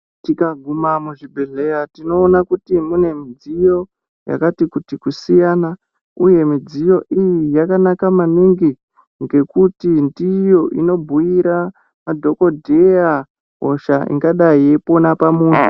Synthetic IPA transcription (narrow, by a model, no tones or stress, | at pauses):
tikaɡʱumamuʐibʱeɮe̞jatino̞ːnakutimune̞mid͡zijo̞ | ja̰katikutikusijaːna | uje̞mid͡zijo̞ʔijijakanakamaniŋɡi | ŋɡe̞kutindijo̞ʔino̞bʱuiɾa | madʱo̞ko̞dʱeja | ɦo̰ʃaḭŋɡaɗaiepo̞napamuːnu